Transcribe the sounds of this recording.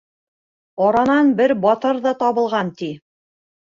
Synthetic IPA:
ɒɾɑnɑnbɘɾbɑt̪ɤɾðɤt̪ɑβɤ̆lˠʁɑnt̪i

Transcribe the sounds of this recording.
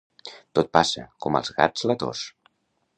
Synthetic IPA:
t̪ot̪̚pasəkɔmə̰lˠzɣa̰d͡zlət̪o̰s

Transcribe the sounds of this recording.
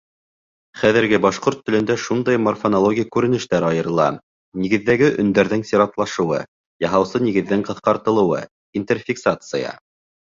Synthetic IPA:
χæðɘ̆ɾɡɘbɑʃqoɾt̪ːɵ̆lɵ̆nd̪æʃund̪ɑjmɐrfonolˠoɡʲijkʉɾɘ̆nɘ̆ʃt̪æɾɑjɤ̆ɾɤ̆lˠɑ̰ | niɣɘ̆ðːæɡɘʔɵ̆nd̪æɾðɘŋsʲiɾɑt̪lˠɑʃɤ̆wɤ̰ | jɑɦɑwsɤniɣɘ̆ðːɘŋqɤ̆θqɑɾt̪ɤ̆lˠɤ̆wɤ̰ | int̪erfʲiksat̪sɨjɑ̰

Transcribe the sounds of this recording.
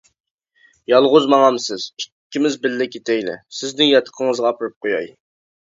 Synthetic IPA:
jɑlˠʁʊzmɑŋɑmsɪz̥i̥kʲʰːimɪzbɪlːɪkʲʰet̪ʰɛjlɪ̰sɪznɪŋjɑt̪ʰə̥qʰəŋəzʁɑːpɨɾɨp̚qʰojɑ̰j

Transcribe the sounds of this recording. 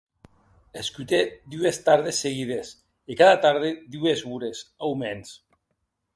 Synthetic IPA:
eskyt̪ed̪uest̪aɾð̞esːeɣiðes | ikaðat̪aɾð̞ed̪uezβuɾesawmens

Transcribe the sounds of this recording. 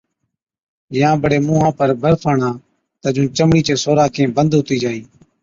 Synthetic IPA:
jãːbəɽeːmũːɦãːpəɾbʱəɾpʰəːɳãː | t̪əd͡ʒũːt͡ʃəmɽiːt͡ʃeːsoːɾaːkʰẽːbənd̪ɦʊt̪iːd͡ʒaːĩː

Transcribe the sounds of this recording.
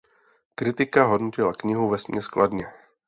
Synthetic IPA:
kɾɪt̪ɪkaɦo̞dnocɪlakɲɪɦuvɛsmɲɛsklʔadɲɛ

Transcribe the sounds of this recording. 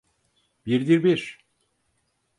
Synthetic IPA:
biɾd̪iɾbiɾ

